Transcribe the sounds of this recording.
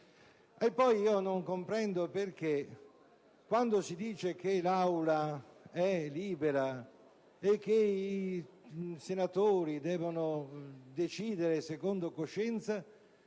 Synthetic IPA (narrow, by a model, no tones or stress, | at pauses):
epːɔjiːonoŋkompɾɛnd̪operk̟e | kwand̪osid̪iːt͡ʃek̟elawlaɛliːbeɾa | ekːei | senat̪oːɾid̪ɛːvonod̪et͡ʃiːd̪eɾesekond̪okoʃːɛnt̪sa